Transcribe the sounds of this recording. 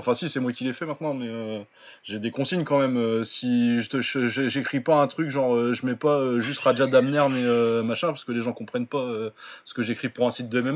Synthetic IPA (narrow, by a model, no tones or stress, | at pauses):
ɑ̃fɛ̃sisɛmwakʲilɛfɛmɛ̃t̪̚nɑ̃mɛø | ʒed̪ekɔ̃siɲkɑ̃mɛmøsiʒət̪əʃøʒəʒekχipaɛ̃t̪χykʒɑ̃ʁøʒəmɛpaøʒyst̪ʁad͡ʒad̪amnɛʁmɛømaʃɛ̃paʁsəkəleʒɑ̃kɔ̃pχɛnpaøsə̥kəʒekχipuʁɛ̃sit̪̚d̪əɛmɛm